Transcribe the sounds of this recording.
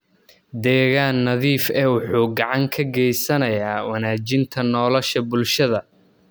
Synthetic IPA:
d̪ɛːɣaːnːɐðiːfɛːwʊħuːɡɑʕɑŋkʰɐɡɛjsɐnɐjaːwɐnaːt͡ʃɪnt̪ʰɐnɔːlɔʃɐbʊlʃɐðɐ

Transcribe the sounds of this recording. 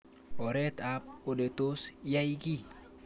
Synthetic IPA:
oɾɛt̪ap̚odet̪usjaiɡi

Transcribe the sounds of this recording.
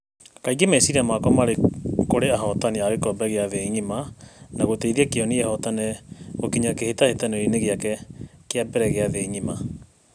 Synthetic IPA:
kaiɡemɛsiɾamakɔmaɾekoɾeaɦɔtaniaɣekɔbɛɣeaðeɲimanaɣoteiðiɛkeɔniɛhɔtanɛɣokiɲakehetahetaneɾineɣeakɛkeabɛɾɛɣeaðeɲima

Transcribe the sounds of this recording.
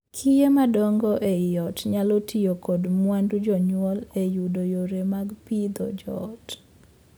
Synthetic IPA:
kʰijemadɔŋɡɔʔejɔtɲalɔtʰiokɔdmwandud͡ʒɔɲwɔlejudojoɾemaɡpid̪ɔ̰d͡ʒɔt

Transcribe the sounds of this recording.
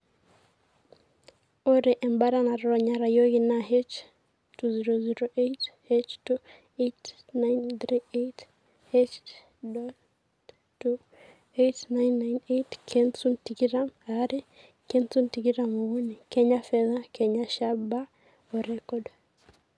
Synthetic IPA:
ɔɾɛʔɛmbaɾanaɾɔɲaɾajɔɣinaɦɛt͡ʃ | tuziɾɔziɾɔʔet | ɛt͡ʃtu | et | najnθɾiet | hɛt͡ʃ | dɔ | tu | etnajnːajnetkʰɛnsuntikiɾamaɾɛ | kɛnsuntikiɾamɔɣunikɛɲafɛðakɛɲaʃaba | ɔɾɛkɔd

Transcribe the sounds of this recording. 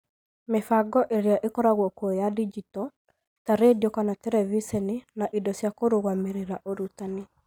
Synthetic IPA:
mefaɡɔʔeɾjaʔekɔɾaɣwɔkwɔjadid͡ʒitɔ | taɾediokanatɛɾɛvisɛninaʔidɔsjakoɾoɣwameɾeɾaʔoɾutane

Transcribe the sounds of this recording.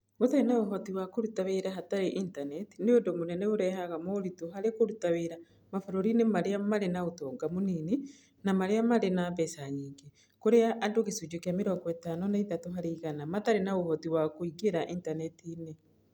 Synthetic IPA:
motaɾenaoɦɔtiwakoɾutaweɾaɦataɾeʔintanɛtineodomonɛnɛoɾɛɦaɣamoɾitoɦaɾekoɾutaweɾa | mafaɾoɾinemaɾeamaɾenaotɔːɡamonine | namaɾeamaɾenabɛsaɲiːŋɡe | koɾeaʔadoɣesud͡ʒokeameɾɔŋɡɔɛtanɔnaitatoɦaɾeiɣanamataɾenaohɔtiwakoiɡeɾaʔintanɛtine

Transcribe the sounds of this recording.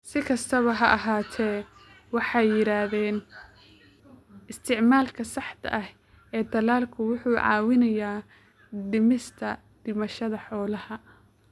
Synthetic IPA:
sɪkʰɐst̪ʰɐβɐɦɐʔɐɦaːt̪ʰɛː | wɑħɑjɪɾaːðɛːn | ɪst̪ʰɪʕmaːlkʰɐsɑħt̪ʰɐ̰ʔɐh | ɛːd̪ɐlaːlkʰʊwʊħuːʕɑ̰ːwɪnɐjaː | ɖɪmɪst̪ʰɐ | d̪̥ɪmɐʃɐðɐħɔːlɐhɐ

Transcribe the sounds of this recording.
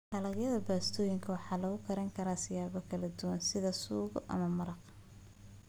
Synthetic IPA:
ɖɐlɑɣjɐðɐbaːst̪ʰɔːjɪŋkʰɐwɑħɑːlɐɣʊkʰɐɾɛŋkʰɐɾaːsɪjaːβɔkʰɐlɐd̪ʊwɐnsɪðɐsuːɣɔʔɐ̰mɐmɐɾɑq

